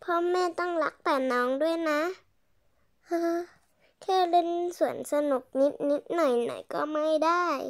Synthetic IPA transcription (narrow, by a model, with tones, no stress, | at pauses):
pʰɔ˧˥mːɛː˧˥˨t̪ɔ˥˩˨ŋla˧˦˥k̚p̪ɛː˨˩nɔː˨˦˥ŋdu˥˩əjna˧˦˥ | ʔɤː˧˩ | kʰɛː˧˥˩lɯ˧˥˨nsu˨˩˦ənsa˧nu˨˩k̚ni˧˦˥t̪̚ni˦˥t̪̚nɔ˨˩jnɔ̰˨˩˦jkɔː˧˩maː˧˥˨jdaː˥˩j